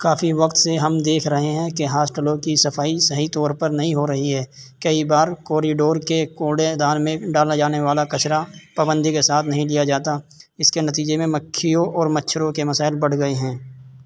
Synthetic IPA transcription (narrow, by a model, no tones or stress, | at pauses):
kaːfiʋɐqt̪seɦɐmd̪eːkʰɾɐɦeɦɛ̃keɦaːsʈəlõkisɐfʰaːisɐɦit̪ɔːɾpəɾnɐɦĩɦoɾɐɦiɦɛːkɐibaːɾkɔːɾiɖoːɾkekoːɖẽd̪aːɾmẽɖaːlad͡ʒaːneʋaːlakɐt͡ʃɾapaːbə̃nd̪ʱikesaːt̪ʰnɐɦĩlijad͡ʒaːt̪aɪskenɐt̪iːd͡ʒemẽmɐkʰːijõɔːɾmɐtːʃʰəɾõkemɐsaːɪlbɐɽ̤ɡɐeɦɛ̃ː